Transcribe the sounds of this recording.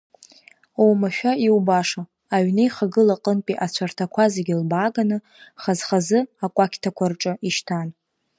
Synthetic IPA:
owmaʃᶣaiwbaʂa | aɥnejχaɡɨlaqʼənpʼiʔat͡ɕʷʰartʰakʷʰazeɡʲilbaːɡanɨ | χazχazɨakʷʼakʲʰtʰakʷʰarʈ͡ʂʼɨiʃtʰan

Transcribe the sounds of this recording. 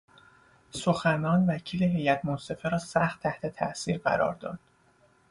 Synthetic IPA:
so̞xænɒːnvæcʰiːleɦe̞jæt̪ʰmonse̞feɾɒːsæxt̪ʰːæht̪ʰe̞t̪ʰæ̰ʔsiːɾɢæ̰ɾɒ̰ːɾd̪ɒ̰ːd̪̥

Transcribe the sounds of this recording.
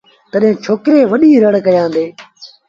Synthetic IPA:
t̪əɗɦẽːt͡ʃʰoːkɾeːʋəɗiːɾəɽkəjãːnd̪eː

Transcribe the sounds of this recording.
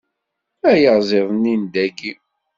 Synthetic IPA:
æjəʁzˤɪðˤnːind̪æɡi

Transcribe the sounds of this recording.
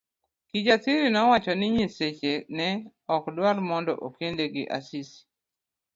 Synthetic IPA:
kid͡ʒasiɾinɔwat͡ʃɔnɪɲiset͡ʃenɛ | ɔkdwalmɔndɔ̰ʔokendeɡɪ̰ʔa̰sisi̥

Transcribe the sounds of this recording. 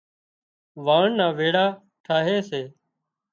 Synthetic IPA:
ʋaːɳnãːʋeːɽaː | ʈʰaːɦeːseː

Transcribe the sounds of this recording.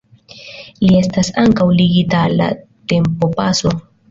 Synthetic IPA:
lie̞stasaŋkawliɡitalːa̰ | te̞mpo̞paso̞

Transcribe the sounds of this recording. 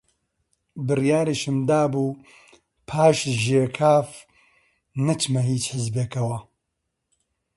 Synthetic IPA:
bɨrjaːɾɨʃɨmd̪aːbuː | pʰaːʃʒeːkʰaːf | nɐt͡ʃmɐɦiːt͡ʃħɪzbeːkɐwɐ

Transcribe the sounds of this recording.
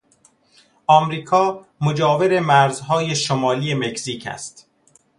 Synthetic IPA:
ʔɒːmɾiːkʰɒːmod͡ʒɒːveɾemæɾzɦɒːjeʃomɒːlijemecsiːcʰæ̰st̪

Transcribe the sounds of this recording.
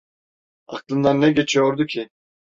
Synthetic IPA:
a̰klˠɯnd̪annʲɛɟe̞t͡ʃʰijoɾd̪ucʰi

